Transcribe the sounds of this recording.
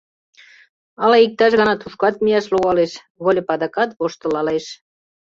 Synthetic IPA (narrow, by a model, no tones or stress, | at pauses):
ɑlɑik̚t̪ɑʃɣɑnɑt̪uʃkɑt̪̚mijæʃluɣɑleʃ | βolʲepɑd̪ɑkɑt̪βoʃt̪ə̆lɑleʃ